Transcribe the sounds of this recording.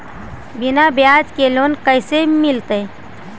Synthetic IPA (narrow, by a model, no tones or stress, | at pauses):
bɪnabjaːd͡ʒkeloːnkəɪsemɪlt̪e